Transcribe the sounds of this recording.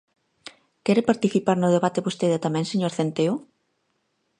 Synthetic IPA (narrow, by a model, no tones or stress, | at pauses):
kɛɾepaɾt̪iθipaɾnʊðeβat̪eβost̪eðɐt̪amɛ̃ŋseɲoɾθent̪eʊ